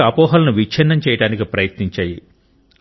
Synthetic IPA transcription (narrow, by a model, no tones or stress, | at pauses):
ɐpɔːɦɐlɐnuʋit͡ʃʰɛnːɐmt͡ʃɛːjɐɽaːnikipɾɐjɐt̪niɲt͡ʃaːji